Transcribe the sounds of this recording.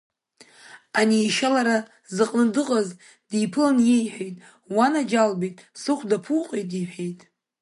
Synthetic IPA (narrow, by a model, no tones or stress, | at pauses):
aniːʃalaɾa | zɨqʼnɨdɨqʼaz | dijpʰɨlanje̞jħʷᶣejtʼ | wanad͡ʒalbijtʼsɨχʷdapʰuqʼejtʼiħejtʼ